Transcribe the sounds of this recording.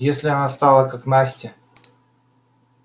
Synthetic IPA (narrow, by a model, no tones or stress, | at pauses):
jesʲlʲɪɐnast̪alˠəkaknasʲtʲɪ